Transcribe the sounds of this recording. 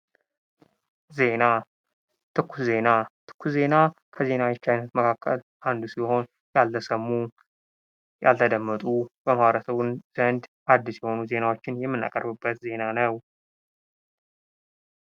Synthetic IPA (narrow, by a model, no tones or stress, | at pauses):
ze̞na | t̪ʰɨkʰːuze̞nat̪ʰɨ̥kʰːuze̞nakʰəze̞nawɛt͡ʃːajnət̪məkʰakːə̰l | ʔand̪usiho̞n | jalt̪ʰəsəmːu | ja̰lt̪ʰəd̪əmːət̪ʼubəmaβəɾəsəβɨnz̥ənd̪ʔad̪ːisjɛho̞nuze̞nawo̞t͡ʃːɪnjɛmːɨnːa̰kʼə̰ɾbɨbːət̪ze̞nanəw